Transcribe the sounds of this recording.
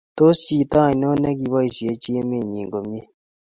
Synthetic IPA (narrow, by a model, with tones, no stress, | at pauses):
to˦si˨ta˦˨no˦nɛ˦ki˨βa˦i˨si˨e˦t͡ʃi˦e˦me˦˨ɲi˨ŋɡo˨m˦e˦